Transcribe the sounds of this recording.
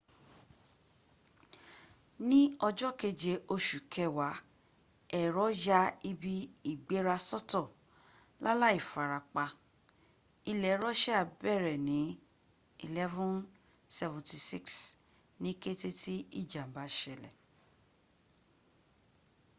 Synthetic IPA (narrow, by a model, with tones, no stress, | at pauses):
nĩ˦ɔ˧d͡ʒɔ˦ke˧d͡ʒe˧ʔo˧ʃu˨kʰɛ˧˨wa˨˦ | ɛ˦˨ɾɔ˨˦ja˦i˧bi˧i˦˨ɡ͡be˨˦ɾa˧sɔ˦tɔ˦˨ | la˦la˦i˦˨fa˨ɾa˨k͡pa˧ | i˧lɛ˨˦ɾɔ˦ʃɛ˦a˨˧bɛ˦˨ɾɛ˨nĩ˨˦ | i˦˧lɛ˦vũ˦n | sɛ˧vũ˨ti˧si˦ks | nĩ˦ke˦te˦ti˦i˦˨d͡ʒa˨m̩˨ba˨˦ʃɛ˧˨lɛ̰˨